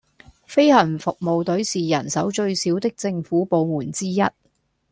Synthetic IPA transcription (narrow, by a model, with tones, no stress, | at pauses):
fe˥jhɐ˨˩nfʊ˨k̚mo˨˧wt̪ɵ˨˥ɥsiː˨jɐ˨˩nsɐ˨˥wt͡ʃɵ˧ɥsiː˨˥wt̪ɪ˥k̚t͡sɪ˧ŋfuː˨˥po˨˧wmuː˨˩nt͡siː˥jɐ˥t̚